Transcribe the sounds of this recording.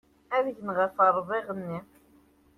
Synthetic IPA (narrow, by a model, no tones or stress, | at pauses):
æðʝənʁæfɑɾˤðˤiʁənːi